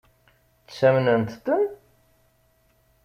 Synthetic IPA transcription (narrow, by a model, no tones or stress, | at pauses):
t͡ssæmnənt̪t̪ən